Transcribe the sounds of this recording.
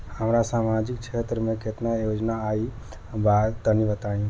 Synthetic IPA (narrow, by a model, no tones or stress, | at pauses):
həmɾasamad͡ʒik̚t͡ʃʰet̪ɾəmẽket̪najod͡ʒnaːi | bad̪t̪ənibət̪ajũ